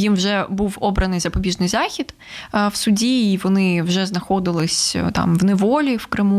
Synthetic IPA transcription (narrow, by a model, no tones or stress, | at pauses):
jimwʒɛbuwɔbɾɐnɪjzɐpɔbʲiʒnɪjzɑxʲid̪ | wsʊdʲiːʋɔnɪwʒɛznɐxɔd̪ɪlˠɪsʲt̪ɑ̰mwnɛʋɔlʲiwkɾɪmu